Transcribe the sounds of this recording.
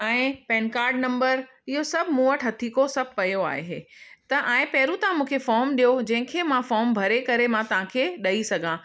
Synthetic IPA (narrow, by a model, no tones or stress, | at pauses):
ɛ̃ːɪpɛːnkaːɾɖnɐ̃mbəɾ | ɪɦosɐbʱmũːəʈɦɐt̪ʰikosɐbʱpɐjoa̰ːɦeɦeːt̪ɐʔɛ̃ːɪ̃pɛɦɾut̪ãmũːkʰefɔːɾmɗijod͡ʑɐ̃ɦɪ̃kʰeːmãfɔːɾmbʱɐɾekɐɾemãt̪ɐʋ̤ãkʰeːɗɐisɐɡʱã